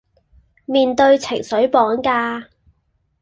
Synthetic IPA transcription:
miː˨˧nt̪ɵ˧ɥt͡sʰɪ̰˨˩ŋsɵ˨˥ɥpɔː˨˥ŋkaː˧

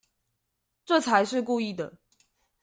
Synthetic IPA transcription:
ʈ͡ʂɤ˥˨t͡sʰa˧˦ɪʂɻ̩˥˧ku˥˧i˥˩d̪ə̰˩

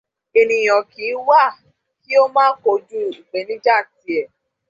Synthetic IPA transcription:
e˧nĩ˨˧j̃ɔ̃˨ki˨˦wa˦˨ | ki˦o˦mãː˦ko˧d͡ʒu˦i˨ɡ͡bɛ˨˦nĩ˦d͡ʒa˦˨ti˧ɛ˨

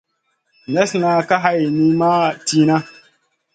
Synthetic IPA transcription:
nɛ˦sna˦ka˦ɦa˦jni˦ma˦ti˦na˦

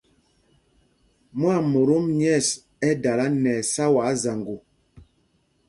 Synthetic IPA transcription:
mwa˦˨mo˨ɾo˦mɲɛ˦˨s | ɛ˦da˨la˦nɛ˨sa˦wa˨˦za˨ŋɡu˨

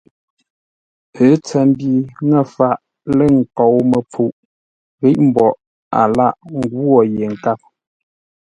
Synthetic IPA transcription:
pʰə˨˦t͡sɛ˨m˦bi˨ŋɛ˦˨fa˨ʔ | lə˦˨ŋ̩˨kɔ˨wmə˨pʰu˨ʔ | ɣi˦ʔm̩˦˨bɔ˨ʔ | a˨la˦˨ʔŋ˦ɡwɔ˦˨je˨ŋ̩˨ka˦˨p̚

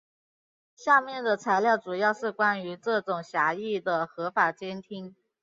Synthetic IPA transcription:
ɕja˥˧mjɛ˥˩nd̪ə˩t͡sʰa˧˥ɪljɑ˥˩ʊʈ͡ʂu˨˩jɑ˥˧ʊʂɻ̩˥˩kwa˥ny˧˥ʈ͡ʂɤ˥˩ʈ͡ʂʊ˨˩ŋɕja˧˥i˥˩d̪ə˩xɤ˧˥fa˨˩t͡ɕjɛ˥nt̪ʰi˥ŋ

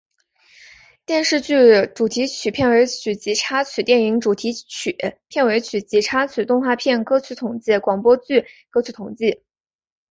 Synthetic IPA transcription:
t̪jɛ˥˧nʂɻ̩˥˧t͡ɕy˥˩ʈ͡ʂu˨˩t̪ʰi˧˥t͡ɕʰy˨˩pʰjɛ˥˩we˧˥ɪt͡ɕʰy˨˩t͡ɕi˧˥ʈ͡ʂʰa˥t͡ɕʰy˨˩t̪jɛ˥˩ni˧˥ŋʈ͡ʂu˨˩t̪ʰi˧˥t͡ɕʰpʰjɛ˥˩nwe˧˥ɪt͡ɕʰy˨˩t͡ɕi˧˥ʈ͡ʂʰa˥t͡ɕʰy˨˩t̪ʊ˥˧ŋxwa˥˧pʰjɛ˥˩nkɤ˥t͡ɕʰy˧˥t̪ʰʊ˨˩ŋt͡ɕi˥˩kwɑ˨˩ŋpwɔ˥t͡ɕy˥˩kɤ˥t͡ɕʰy˧˥t̪ʰʊ˨˩ŋt͡ɕi˥˩

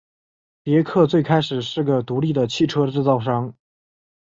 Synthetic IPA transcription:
pjɛ˧˥kʰɤ˥˧t͡swe˥˩ɪkʰa˥ɪʂɻ̩˨˩ʂɻ̩˥˩ɡə˩t̪u˧˥li˥˩d̪ə˩t͡ɕʰi˥˩ʈ͡ʂʰɤ˥ʈ͡ʂɻ̩˥˧t͡sɑ˥˩ʊʂɑ˥ŋ

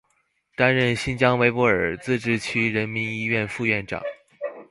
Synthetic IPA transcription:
t̪a˥nɻə˥˩nɕi˥nt͡ɕjɑ˥ŋwe˧˥ɪpwɔ˧˥ə̰˞˨˩t͡sɹ̩˥˧ʈ͡ʂɻ̩˥˩t͡ɕʰy˥ɻə˧˥nmi˧˥ni˥ɥɛ˥˧nfu˥˧ɥɛ˥˩nʈ͡ʂɑ̰˨˩˦ŋ

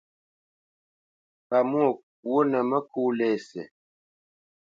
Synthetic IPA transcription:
ka˨mwo˦˨ | wo˦nə˨mə˦ku˦lɛː˦˨sɛ̰˨

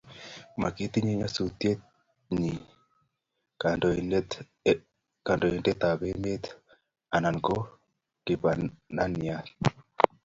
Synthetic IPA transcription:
ma˨ke˦t̪i˦ɲi˨ɲa˦su˨t̪je˦ | ɲi˨ | ka˨ndɔ˨e˨ndɛ˦t̪a˨βe˦me˦t̪ | a˨na˨nko˦ | kɪ˨ba˨na˦nja˨t

